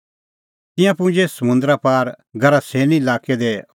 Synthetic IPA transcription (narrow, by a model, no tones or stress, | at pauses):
t̪ɪ̃jãp̬ʊ̃d͡ʒesɐmʊ̃nd̪ɾapaːɾɡʱɐɾaseːniɪlaːked̪e